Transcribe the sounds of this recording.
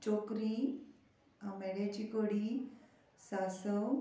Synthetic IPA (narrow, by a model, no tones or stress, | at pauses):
t͡ɕokɾi | ameɽjat͡ɕikoɽi | sasəw